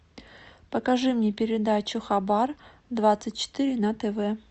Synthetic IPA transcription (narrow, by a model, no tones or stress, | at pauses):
pəkɐʐɨmnʲepʲɪɾʲɪd̪at͡ɕʊxɐbar | d̪vat̪sɨt̚ʲt͡ɕːɪ̥t̪ɨɾʲɪnɐt̪ɛvɛ